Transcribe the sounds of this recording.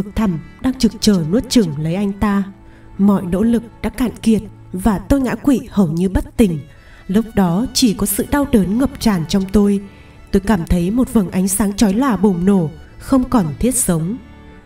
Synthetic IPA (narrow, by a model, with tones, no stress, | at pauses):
ɨ˨˩k̚t̪ʰə˨˩mɗaː˧ŋt͡ɕɨ˨˩k̚t͡ɕəː˨˩nu˦˥ət̚t͡ɕɨ˨˩əŋlə˨˦jʔa˧jŋ̟t̪aː˧ | mɔ̰˧˨jno̰˧˥lɨ˨˩k̚ɗa̰ː˧˥kaː˧˨nki˨˩ət̚ | vaː˨˩t̪o˧jŋa̰ː˧˥kwḭ˧˨hə˨˩wɲɨ˧ɓə˦˥t̚t̪ï˨˩ŋ̟ | lu˦˥k͡p̚ɗɔ˨˦t͡ɕi˧˩kɔ˨˦sɨ̰˧˨ɗa˧wɗəː˨˦nŋə˨˩p̚t͡ɕaː˨˩nt͡ɕɔ˧wŋ͡mt̪o˧j | t̪o˧jkaː˧˩mt̪ʰə˨˦jmo˨˩t̚və˨˩nʔa˨˦jŋ̟saː˨˦ŋt͡ɕɔ˨˦jlaː˨˩ɓʊ˨˩ŋ͡mno˧˩ | xə˧wŋ͡mkɔ˨˩nt̪ʰi˦˥ət̚sə˨˦wŋ͡m